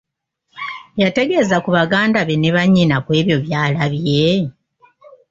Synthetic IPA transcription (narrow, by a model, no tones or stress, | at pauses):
jate̞ɡe̞ːzakuβaɡaːndaβeneβaɲːinakwe̞ːβjo̞βjaːlaβje̞